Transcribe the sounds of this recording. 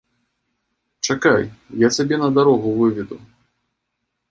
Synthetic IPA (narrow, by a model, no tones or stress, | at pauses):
t͡ʂakajjasʲabʲɛnɐd̪aɾɔɣuvɨvʲid̪u